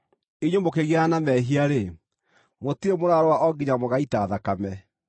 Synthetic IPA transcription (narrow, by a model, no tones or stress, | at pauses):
iɲomokeɣeanamɛɦiaɾe | motiemoɾaɾowaʔɔɡiɲamoɣaitaːðakamɛ